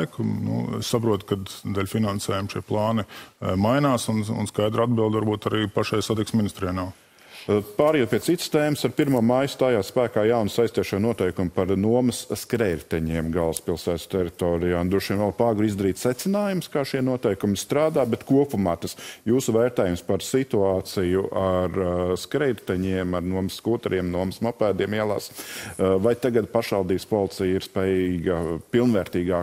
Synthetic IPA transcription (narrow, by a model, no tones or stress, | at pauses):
kʊnṵɛ̰ssapɾuɔt̪kad̪d̪ɛlʲfinansɛːjumʃiɛplˠɑːnɪmajnaːsunṵnskajd̪ɾad̪̚bilˠd̪aɾbuɔt̪aɾiːpaʃajsad̪ɛksminist̪ɾiɛnaw | paːɾjɛpiɛt̪sit̪st̪eːməsaɾpiɾmuɔmajst̪aːjaːspæːkaːjawnsajst̪iɛʃojnuɔt̪ɛjkumpaɾnuɔməsskɾɛjɾt̪ɛɲiɛmɡalˠspilˠsæːt̪st̪ɛɾit̪ɔːɾijaːnd̪ɾuɔʃiɛmvɛlˠpaːɡuɾizd̪ɐɾiːt̪ʲsɛt̪sɪnaːjumskaːʃiɛnuɔt̪ɛjkumɪst̪ɾaːd̪aːbɛt̪kuɔpumat̪əsjuːsuʋɛːɾt̪ɛːjumspaɾsit̪uaːt̪sijuʔaɾskɾɛjɾt̪ɛɲiɛmaɾnuɔməskuːt̪ɛɾiɛmnuɔməsmapæːd̪iɛmiɛlˠa̰ːs | vajt̪aɡad̪̚paʃʋɑlˠd̪iːbspɔlˠɪt̪sijiɾspɛːjiːɡɐpilˠnʋɛːɾt̪iːɡaː